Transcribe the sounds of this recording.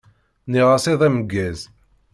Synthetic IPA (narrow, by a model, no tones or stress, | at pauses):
niʁaseðˤæməɡːæz